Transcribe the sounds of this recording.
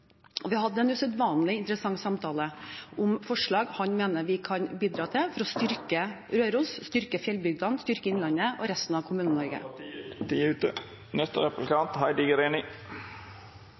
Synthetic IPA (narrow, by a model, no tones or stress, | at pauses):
ɔʋɪhɑd̪ːəɛnʉsœd̪ʋɑːnlɪɪnt̪əɾəsɑŋːsɑmt̪ʰɑːləʔʊmfɔʂɭɑːɡhɑɲmeːnəʋɪkʰɑnbiːd̪ɾɑːt̪ʰɪlfɔɾɔst̪ʏɾkə | ɾøːɾuːsst̪ʏɾkəfjɛlbʏɡ̚d̪ɑnst̪ʏɾkəɪnlɑnːəʔɔɾɛst̪n̩ɑʋkʰʊmʉːnənɔɾɡə̰ | ʉt̪ə | nɛst̪əɾɛplkɑnt̪hɑɪd̪ɪɡəɾeːnɪ